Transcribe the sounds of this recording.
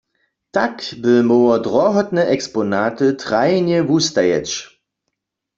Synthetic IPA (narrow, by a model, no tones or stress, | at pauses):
takbəmowɐdʁɔɦɔtnəʔɛkspɔnaːtətʁajnjɛvustajɛ̰t͡ʃ